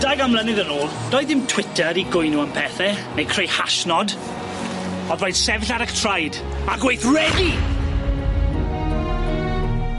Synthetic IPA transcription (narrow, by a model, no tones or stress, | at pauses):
d̥ajɡamlˠənɪðənoːlˠd̥ɔjðɪmtʰw̥ɪtʰəɾiɡʊjnuəmpʰɛːθɛnejkʰr̥ejhaʃnɔd | ɔdrɔjd̥sɛvɪɬaɾəktʰrajd | aɡwejθrɛdi